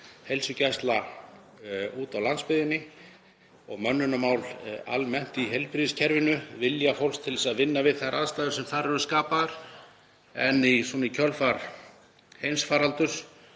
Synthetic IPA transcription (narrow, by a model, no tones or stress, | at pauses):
hejlsʏcajst̪la | uːt̪awlanspɪðɪnɪ | ɔɣmœnːʏnamaːwla̰lmɛn̥t̪iɦejlpɾiðɪscʰɛɾvɪnʏvɪljafowlst̪ʰɪlɛsaðvɪnːavɪðθaɾʔaðst̪ajðʏɾ̥sɛmθaɾɛɾʏskaːpaɾ̥ | ɛnːisɔːnɪcʰœlfaɾ | hejnsfaːɾalt̪ʏr̥